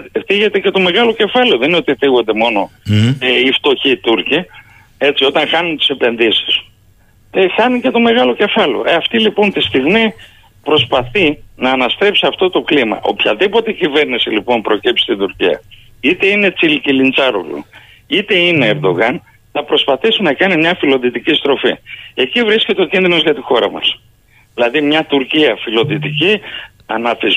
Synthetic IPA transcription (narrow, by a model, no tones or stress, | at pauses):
θiʝe̞t̪e̞ce̞t̪o̞me̞ɣɐlo̞ce̞fɐleo̞ðenino̞t̪iθiɣo̞nd̪e̞mo̞no̞ | ift̪o̞çit̪uɾci | e̞t͡sio̞t̪ɐŋxɐnunt̪i̥se̞pe̞nðisi̥s | exɐnuce̞t̪o̞me̞ɣɐlo̞ce̞fɐleo̞̰ʔeɐft̪ilipo̞nt̪ist̪iɣmi | pɾo̞spɐθinɐːnɐst̪ɾe̞psiɐft̪o̞t̪o̞klimɐ̰ʔo̞̰pçɐðipo̞t̪e̞cive̞ɾnisilipo̞npɾo̞cipsi̥t̪id̪uɾciɐ̰ | it̪e̞ine̞t͡silcilint͡sɐɾo̰lṵ | it̪e̞ine̞ːɾd̪o̞ɣɐn | θɐpɾo̞spɐθisinɐkɐnimɲɐfilo̞ðit̪icist̪ɾo̞fie̞civɾisce̞t̪eo̞cinðino̞zʝɐt̪ixo̞ɾɐmɐ̰s | ilɐðimɲɐt̪uɾciɐfilo̞ðit̪ici | ɐnɐfiz